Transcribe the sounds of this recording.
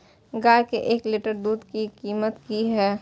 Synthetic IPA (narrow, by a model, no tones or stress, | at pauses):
ɡaːjkeʔeːkliʈəɾd̪uːd̪kikiːmət̪kiɦɛː